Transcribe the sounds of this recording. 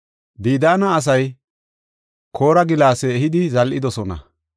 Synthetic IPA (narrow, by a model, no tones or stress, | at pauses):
b̪iːd̪aːnɐːs̬ɐj | kʰo̞ːɾɐɡɪlaːsɛːɦɪd̪ɪzɐlʔɪd̪ɔsɔnɐ̰